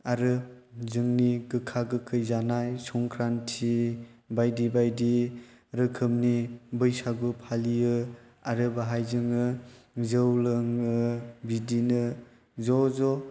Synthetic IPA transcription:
aɾɯzɯŋniɡɯkʰaɡɯkʰɯjzanajsɔŋkʰɾantʰibajdibajdi | ɾɯkʰɯmnibɯjsaɡɯpʰalijɯ | aɾɯbaɦajzɯŋɯ | zɯwlɯŋɯbidinɯ | zɔzɔ

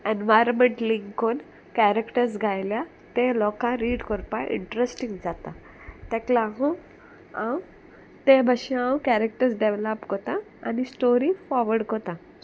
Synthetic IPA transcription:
enʋajɾmeɳʈliŋkon | kæɾekʈəɾsɡʱajlja | t̪ẽlɔkãɾiːɽkɔɾpaʔḭɳʈɾesʈĩŋɡd͡zat̪a | t̪ɛ̃klaɦu | ãw | t̪ẽbʱəɕĩãwkæɾek̚ʈəɾsɖeʋləpkɔt̪ã | anisʈoɾifɔɾʋəɽkɔt̪ã

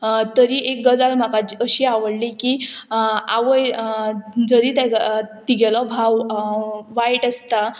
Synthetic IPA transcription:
t̪əɾiʔek̚ɡəd͡zalm̤akat͡ɕiəɕiːaʋəɽliki | aʋəj | d͡zəɾit̪eɡt̪iɡɛlɔbʱaw | ʋajʈəst̪a

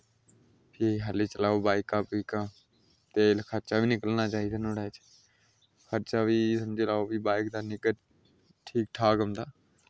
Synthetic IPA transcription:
pʰiɦəliːt͡ʃəlaːoːbaːɪkaːpiːkãː | t̪eːkʰəɾt͡ʃaːʋiːnɪkəlnaːt͡ʃaːiːd̪aːnoːɽaːt͡ʃ | kʰəɾt͡ʃaːʋiːsəmd͡ʒeːlaːoːʋiːbaːɪkd̪aːnɪkə | ʈʰiːk̚ʈʰaːɡəmd̪aː

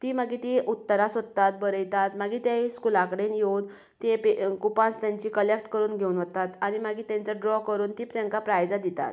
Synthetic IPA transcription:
t̪iːmaɡiːt̪iʔut̪ːəɾasod̪t̪at̪̚bəɾəjt̪at̪maɡiːt̪jaiskulakəɽenjewn | t̪epekupãst̪jaɲt͡ɕiːkəlekʈkəɾuːnɡʱeunʋət̪at̪aɽ̃imaɡiːt̪jãɲt͡səɖɾɔkəɾuːnt̪iːpt̪jãŋkapɾajd͡zad̪it̪a̰t̪

